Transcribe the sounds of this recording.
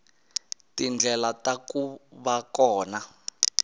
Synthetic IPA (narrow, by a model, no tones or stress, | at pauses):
tind͡ɮʱɛlatakuβakɔːna